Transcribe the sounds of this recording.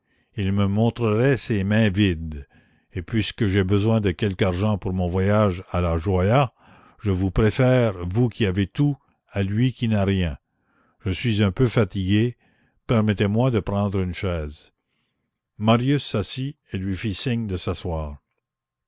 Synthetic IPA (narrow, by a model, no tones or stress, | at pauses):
ilməmɔ̃t̪ʁəʁɛsemɛ̃vid̪ | epɥiskəʒebəzwɛ̃d̪əkʲɛlkaʁʒɑ̃puʁmɔ̃vwajaʒalaʒwaja | ʒəvupʁefɛːʁvukʰʲiavet̪u | alɥikʲinaʁjɛ̃ | ʒ̥əsɥizœ̃pøfat̪iɡe | pɛʁmɛt̪emwad̪əpɾɑ̃d̪ʁynʃɛːz | maʁjysːasi | elɥifisiɲd̪əsaswaːʁ